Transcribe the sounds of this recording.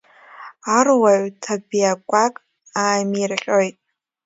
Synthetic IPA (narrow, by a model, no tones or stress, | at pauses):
arwaʕtʰabijakʷʼakʼ | aːmirχʲʼojtʼ